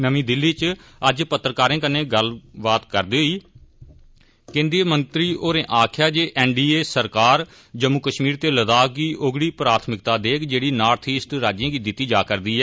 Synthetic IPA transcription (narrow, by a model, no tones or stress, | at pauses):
nəmĩːd̪ɪlːiːt͡ʃəd͡ʒpət̪ːɾəkaːɾẽːkəneːɡəlbaːt̪kəɾd̪eːɦoiː | kẽːnd̪iːmənt̪ɾiːoːɾẽːʔaːkʰɪjaːd͡ʒeːʔɛːɳɖiːeːsəɾkaːɾ | d͡ʒəmːʊkəʃmiːɾt̪eːləd̪aːk̚ɡiːʔoɡɽiːpɾaːt̪ʰmɪkt̪aːd̪eːkʰd͡ʒeːɽiːnaːɾt̪ʰiːsʈɾaːd͡ʒãːɡiːd̪ɪt̪ːiːd͡ʒaːkəɾd̪iːɦɛː